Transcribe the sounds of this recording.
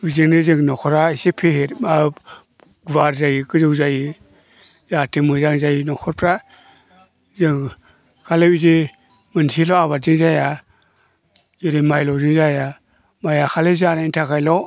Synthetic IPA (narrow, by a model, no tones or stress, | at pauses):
bizɯŋnɯzɯŋnɔkʰɔɾaisepʰehetma | ɡvaɾzajikɯzɯwzaji | zatɯmɯzaŋzajinɔkʰɔɾpʰɾa | zɯŋ | kʰaleize | mɯnsilɔaβatzɯŋzaja | ziɾemajlɔzɯŋzaja | majakʰalezanaintʰakajlɔ